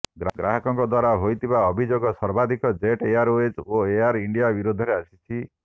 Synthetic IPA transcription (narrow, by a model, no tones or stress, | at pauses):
ɡɡɾaɦɔkɔŋkɔd̪waɾaɦojt̪ʰibaɔbʱid͡ʒoɡɔsɔɾbad̪ʱikɔd͡ʒeʈeaɾoed͡ʒoeaɾiɳɖijabiɾud̪ʱɔɾeasit͡ʃʰi